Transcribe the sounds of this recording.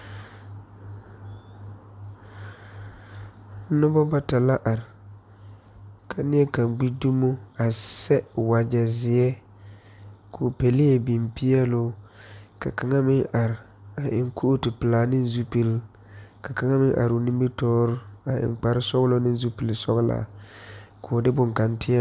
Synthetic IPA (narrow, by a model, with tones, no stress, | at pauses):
nɔ˦bɔ˦ba˦ta˨la˦ʔa˨ɾɪ˨ | kʰa˨nɪ˦ɛ˦ka˨ŋɡ͡bi˦du˦mo˦a˨sɛ˦˨wa˨d͡ʒa˨zɪ˨ɛ˦ | kʰʊ˨pe˨lɪ˦ɛ˨bi˨mpɪ˦ɛ˦lʊ˦ka̰˨ka˨ŋa˦mɪ˦ŋa˨ɾ | a˨ʔɪ˨ŋkʰu˦ʔtɪ˨pɪ˨laː˨nɪ˦n˦zu˦pi˦l | ka˨ka˨˦ŋa˦mɪ˦ŋʔa̰˨ɾʊ˨ni˦mbi˦tɔː˦ɾʊ˦a˨ɪ̰˨ŋk͡pa˨ɾɪ˦sɔ˦ɣlo˦nɪ˦n˦zu˦pi˨lsɔ˦ɣla̰˨ | kʰʊː˨dɪ˦bʊ˨ŋka˨ntʰɪ˦a˦